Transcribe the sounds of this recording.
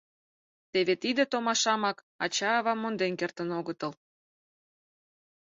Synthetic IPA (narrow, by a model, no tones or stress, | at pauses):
t̪eβet̪id̪ə̆t̪omɑʃɑmɑk | ɑt͡ɕɑːβɑmond̪enkert̪ənoɣət̪əl